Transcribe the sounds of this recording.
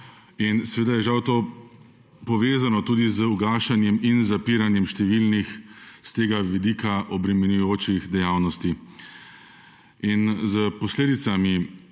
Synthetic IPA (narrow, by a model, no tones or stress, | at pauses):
insɛʋeːd̪ajɛʒawt̪oː | pɔʋeːzanɔt̪uːd̪izuɡaːʃanjɛminzapiːɾanjɛmʃt̪ɛʋilnixst̪eːɡaʋid̪iːkaʔɔbɾɛmɛnujoːt͡ʃiɣd̪ɛjawnɔst̪i | inzəpɔsleːd̪it̪sami